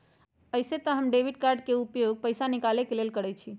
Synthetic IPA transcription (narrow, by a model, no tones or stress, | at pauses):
əɪset̪əɦəmɖebiɖ̚kaɾɖkeupjoɡ̚pəɪsanikalekelelkəɽɛt͡ʃʰi